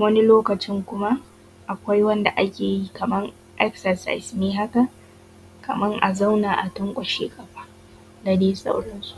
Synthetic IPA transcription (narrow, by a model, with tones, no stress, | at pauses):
wɐ˦ni˦loː˦kɐ˨t͡ʃɪ˦ŋkʷʊ˦ma˦ | ʔa˨kʷa˦jwɐ˦nda˨ʔa˦kʲeː˨ji˦kɐ˨mɐ˦ŋ | ʔɛ˦ksɐ˨sa̰˨jsneː˦ɦa˦ka˨ | kɐ˨mɐ˦ŋʔa̰˨za˦wnaː˨ʔa˨tʊ˦ŋkʷʼɐ˨ʃḛː˦kʼɐ˨ɸaː˦ | da˨deː˦sʼa̰˦wɽɐ˦nsu˦˨ʔ